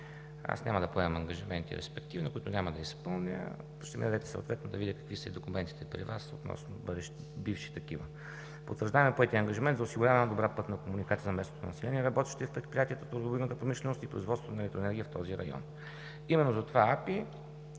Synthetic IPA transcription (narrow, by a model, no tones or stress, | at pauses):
a̰snʲʔamɐd̪ɐpoɛməmɐŋɡɐʒimɛnt̪ḭɾɛ̰spɛk̚t̪ivnokʊit̪ʊnʲaməd̪ɐispɤlˠnʲə̰ | pʃt̪ɛmḭɐd̪ɛt̪ɛ̥sə̰t̪vɛt̪nod̪ɐvid̪ʲəkɐ̥kvisəid̪okʊmɛnt̪i̥t̪ɛpɾḭvaso̰t̪nɔ̰snobəd̪ɛʃt̪ | bifʃi̥t̪ɐkivə | pot̪vəɾʒd̪aɛmɛpoɛt̪iəɐŋɡɐʒimɛnt̪zʊsiɡʊɾʲavɛnɐd̪obɾapɤt̪nɐkomunikat̪siəzɐmɛst̪ot̪onːɐsɛlɛniɛɾɐbɔt̪ɛʃt̪ɛfpɾɛt̪̚pɾijat̪ʲijət̪ət̪oɾd̪obinət̪əpɾomiʃlɛnost̪ipɾo̰izvɔt̪st̪vot̪nɛlɛkt̪ɾɛnɛɾɡʲiəft̪ɔziɾɐ̰jɔ̰n | imɛnːozɐt̪ovaapi